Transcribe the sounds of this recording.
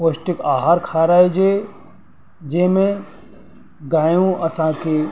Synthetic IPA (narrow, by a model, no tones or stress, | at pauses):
poʃʈɪkaːɦaːɾkʰaːɾaːed͡ʒe | d͡ʒeɦmẽ | ɡaːjũɐsãke